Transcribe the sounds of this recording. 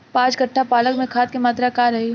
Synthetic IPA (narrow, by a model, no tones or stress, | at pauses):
pãːt͡ʃkɐʈʰːapaːləkmẽkʰaːt̪̚kemaːt̪ɾakaːɾɐɦe